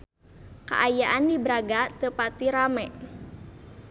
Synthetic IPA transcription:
ka̰ʔajaʔandibəɾaɡat̪əpat̪iɾamɛʔ

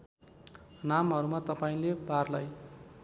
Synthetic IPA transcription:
namɦʌɾumat̪ʌpaĩlebarlaj

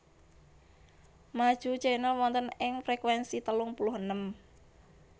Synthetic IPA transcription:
mad̥ʒ̥ṳd̥ʒ̥ainəwɔnt̪ənɪŋfɾekwɛnsit̪əlʊŋpulʊhənəm

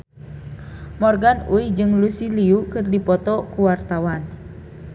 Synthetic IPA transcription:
mɔrɡanuid͡ʒɨŋlusiliukɨrdipɔt̪ɔkuwart̪awan

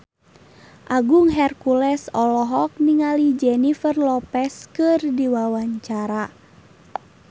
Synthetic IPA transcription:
ʔaɡuŋɦɛrkulɛsɔlɔɦɔk̚niŋalid͡ʒɛnifərlɔpɛskɨrdiwawaɲt͡ʃaɾa

